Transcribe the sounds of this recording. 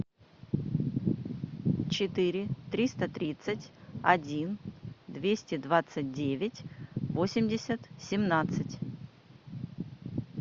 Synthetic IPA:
t͡ɕɪt̪ɨɾʲɪt̪ɾʲist̪ət̪ɾʲit̪sɨtʲɐdʲind̪vʲesʲtʲɪd̪vat̪sɨt̚ʲdʲevʲɪtʲvo̞sʲɪmʲdʲɪsʲət̪sʲɪmnat̪sɨtʲ

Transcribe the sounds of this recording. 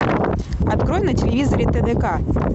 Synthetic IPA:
ɐt̪kɾojʲnɐtʲɪlʲɪvʲizɐɾʲɪt̪ɛd̪ɛka

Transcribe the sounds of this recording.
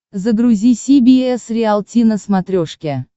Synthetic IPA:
zəɡɾʊzʲisʲibʲiɛsɾʲɪalˠtʲinəsmat̪ɾʲoʂkʲe

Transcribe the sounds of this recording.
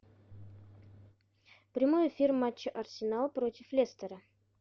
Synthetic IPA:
pɾʲɪmojɪfʲirmat͡ɕːəʔɐrsʲɪnalˠpɾotʲɪflʲest̪əɾə

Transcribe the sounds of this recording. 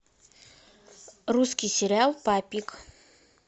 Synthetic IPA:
ruskʲɪjsʲɪɾʲɪalˠpapʲik

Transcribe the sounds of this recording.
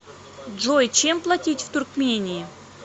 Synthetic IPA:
dʐojt͡ɕemplˠatʲitʲft̪urkmʲenʲiː

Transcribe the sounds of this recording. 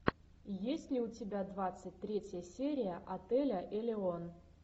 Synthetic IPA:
jesʲtʲlʲɪʊtʲɪbʲad̪vat̪sɨt̚ʲt̪ɾʲetʲjəsʲeɾʲɪjəʔɐt̪ɛlʲəʔilʲɪon

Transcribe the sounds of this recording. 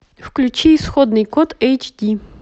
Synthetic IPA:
fklʲut͡ʃisxɔd̪nɨjkɔt̪ɛjt͡ʃdʲi

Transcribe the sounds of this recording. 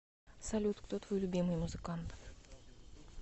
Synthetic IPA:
salʲut̪kt̪ot̪volʲubʲemɨjmuzɨkant̪

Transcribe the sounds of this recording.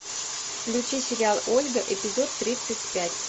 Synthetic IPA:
klʲut͡ɕisʲɪɾʲɑlˠolʲɡəʔepʲizot̪ːɾʲit̪sət̚ʲpʲætʲ

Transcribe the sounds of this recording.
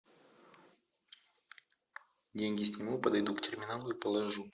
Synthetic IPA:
dʲenʲɡʲɪsʲnʲɪmupəd̪ɐjd̪uktʲɪrmʲɪnalˠʊipəlˠɐʐu

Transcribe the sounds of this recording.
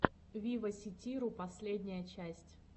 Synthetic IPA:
vʲivəsʲɪtʲiɾʊpɐsʲlʲedʲnʲɪjət͡ɕæsʲtʲ

